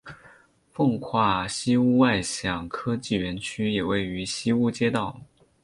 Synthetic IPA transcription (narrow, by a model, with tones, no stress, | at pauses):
fɤ˥˧ŋkʰwa˥˩ɕi˥u˥˧wa˥˧ɪɕjɑ˨˩ŋkʰɤ˥t͡ɕi˥˩ɥɛ˧˥nt͡ɕʰy˥jɛ˨˩we˥˩ɪy˧˥ɕi˥u˥t͡ɕjɛ˥t̪ɑ˥˩ʊ